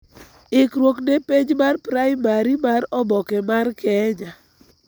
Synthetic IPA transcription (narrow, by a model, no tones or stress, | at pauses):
ɪkɾwoknepeɲmarpɾaimaɾimaɾɔbɔkɛmarkɛɲa